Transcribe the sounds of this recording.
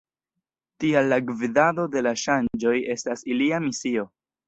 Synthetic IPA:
tialːaɡvidado̞de̞laʃand͡ʒo̞je̞stasiliamisio̞

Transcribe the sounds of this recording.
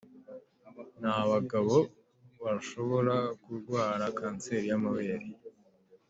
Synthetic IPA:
nhaβaɡaβo̞ | βaʃo̞βo̞ɾakuɾɡwaːɾakaːnt͡se̞ːɾijamaβe̞ːɾi

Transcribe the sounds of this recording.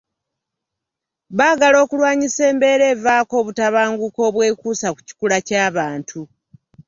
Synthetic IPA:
βaːɡalo̞ːkulwaːɲise̞ːmbe̞ɾe̞ːvaːko̞ːβutaβaːŋɡuko̞ːβwe̞ːkuːsaku̥ci̥kulacaːβaːntʰu

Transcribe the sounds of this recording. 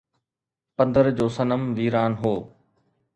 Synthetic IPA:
pɐ̃nd̪əɾd͡ʑoːsɐnəmʋiːɾaːnɦoː

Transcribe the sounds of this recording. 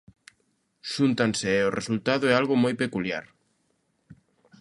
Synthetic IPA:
ʃunt̪anseɛorḛsult̪aðʊɛalɣomojpekulja̰ɾ

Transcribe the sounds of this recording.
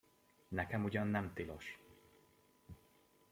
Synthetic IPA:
nɛkɛmuɟɒnːɛmt̪ilo̰ʃ

